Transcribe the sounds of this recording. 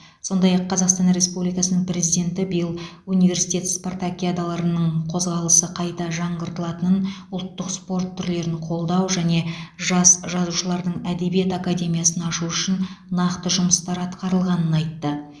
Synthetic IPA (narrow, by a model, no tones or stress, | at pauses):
so̞nd̪ɑjɑqʰːɑzɑqst̪ɑnre̞spublijkɑsənəɴpɾe̞zijd̪e̞nt̪ɪbijəlˠ | unijve̞ɾsijt̪ʲe̞t̪sport̪akʲiad̪alˠɑɾənəɴqʰo̞zʁɑlˠəsəqʰɑjt̪ɑʒɑɴʁəɾt̪əlˠɑt̪ənənʊlˠt̪ːəqspo̞rt̪ʰːʏɾle̞ɾɪnqʰo̞lˠd̪ɑwʒæne̞ʒɑsʒɑzuʃəlˠɑɾd̪əɴæd̪e̞bijet̪akad̪ʲe̞mijasənɑʃuʏʃɪnnɑqt̪əʒʊməst̪ɑɾɑt̪qɑɾəlˠʁɑnənɑjt̪ːə